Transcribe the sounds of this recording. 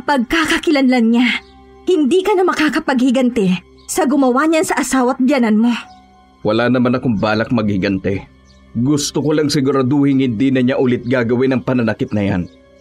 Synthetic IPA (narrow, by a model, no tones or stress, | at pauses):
pɐɡ̚kakɐkɪlɐnlɐnɲa | hɪnd̪ikɐnɐmɐkaːkɐpɐɡ̚hɪɡɐnt̪ɛ | sɐɡʊmɐwaɲansɐʔɐsaːwɐt̪̚bjanɐnmo̞ | wɐlaːnɐmanɐkʊŋbaːlɐk̚mɐɡ̚hɪɡɐnt̪ɛ | ɡʊst̪okolɐŋsɪɡʊɾɐd̪uhɪŋhɪnd̪iːnɐɲaʔʊlɪt̪̚ɡaːɡɐwɪnɐŋpɐnɐnɐkɪt̪̚nɐja̰n